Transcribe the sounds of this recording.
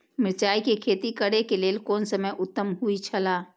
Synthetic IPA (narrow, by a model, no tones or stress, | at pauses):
mɪɾt͡ʃaːikekʰeːt̪ikəɽekeleːlkoːnsəməjʔʊt̪ːəmɦuit͡ʃʰəla